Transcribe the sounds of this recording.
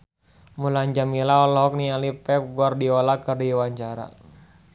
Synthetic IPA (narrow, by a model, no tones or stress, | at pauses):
mulaɲd͡ʒamilaɔlɦɔk̚nialipɛp̚ɡuardiɔlakərdiwaɲt͡ʃaɾa̰